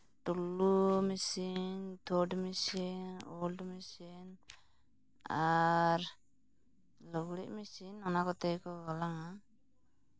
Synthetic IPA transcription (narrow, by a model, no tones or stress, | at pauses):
ʈulːumisint̪ʰɔɖmisinɔlɖmisin | aɾ | lɔɡliʔmisinɔnakɔt̪ɛjkɔɡalaŋa